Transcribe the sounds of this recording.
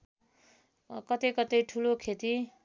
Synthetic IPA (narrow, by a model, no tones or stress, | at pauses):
kʌt̪ejkʌt̪ʌjʈʰulokʰet̪i